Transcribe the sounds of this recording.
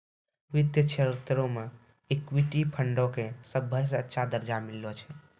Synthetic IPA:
ʋit̪jət͡ʃʰeɾt̪ɾõme | ikwiʈipʰəɳɖokesəbʱːəs̬ə̃ətːʃʰad̪əɾd͡ʒamilːɔt͡ʃʰɛ

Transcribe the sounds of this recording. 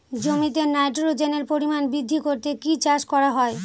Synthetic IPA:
d͡ʑomit̪eɾnajʈɾod͡ʑeneɾpoɾimanbid̪ʱːikoɾt̪ekit͡ɕaʃkɔɾaɦɔe

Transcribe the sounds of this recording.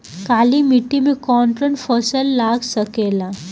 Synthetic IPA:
kalimiʈimekɔɳʈɾəɳʈfɔsəlːaɡsəkela

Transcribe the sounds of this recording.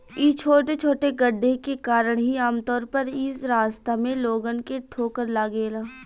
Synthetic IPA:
it͡ʃʰoːʈet͡ʃʰoːʈeɡəɖʱːekekaːɾəɽ̃ɦiaːmt̪ɔːɾpɐɾɪsɾaːst̪amẽloːɡənkeʈʰoːkəɾlaːɡeːlaː

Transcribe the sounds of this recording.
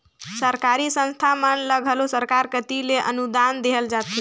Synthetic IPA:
səɾkaɾisə̃nst̪ʰamənləɡʱəlosəɾkaɾkət̪ileʔə̰nud̪and̪eɦəld͡ʒat̪o

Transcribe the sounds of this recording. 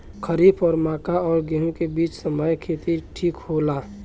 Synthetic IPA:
kʰəɾiːpʰɔːɾmaːkaɔːɾɡeɦũkebiːt͡ʃsəməjkʰeːt̪iʈʰiːkholaː

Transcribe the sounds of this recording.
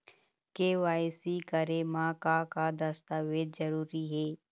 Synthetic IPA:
keːʋaːjsikəɾemãːkakad̪ɐst̪aːʋeːd̪zɐɾuːɾiɦɛː

